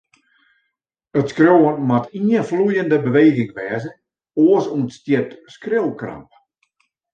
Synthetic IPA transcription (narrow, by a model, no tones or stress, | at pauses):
ətskrjowənmatiənflujəndəbəʋeːɣɪŋʋɛːzən | oəsuənstjɪtskrɪlkra̰mp̚